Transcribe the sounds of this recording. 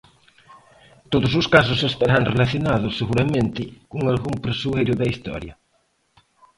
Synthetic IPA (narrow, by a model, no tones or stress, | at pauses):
t̪oðososkas̬osest̪aɾaŋrelaθjonaðʊsːeɣuɾamẽnt̪ɪkoŋalɣumpɾesuejɾʊðaist̪ɔ̰ɾjɐ̰